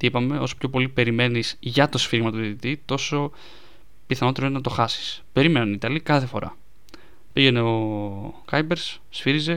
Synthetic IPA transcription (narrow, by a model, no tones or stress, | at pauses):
t̪ipɐme̞o̞so̥pço̞po̞lipe̞ɾime̞niz̥ʝɐt̪o̞sfiɣmɐt̪oðit̪it̪it̪o̞so̞ | piθɐnot̪eɾonɐt̪o̞xɐsi̥spe̞ɾime̞nunit̪ɐlikɐθe̞fo̞ɾʔɐ̰ | piʝe̞ne̞o̞kɐjbe̞ɾs | sfiɾize̞